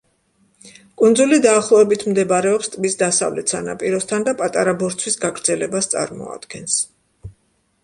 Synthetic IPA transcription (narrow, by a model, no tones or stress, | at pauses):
kʼund̪zulid̪aːχlˠɔɛbit̪ʰmd̪ɛbaɾɛɔpst̪ʼbisd̪asa̰vlɛt̪ʰsa̰na̰pʼiɾɔst̪ʰand̪apʼat̪ʼaɾabɔɾt̪sʰwisɡaɡɾd̪zɛlɛbast̪sʼa̰ɾmɔ̰a̰d̪̥ɡɛns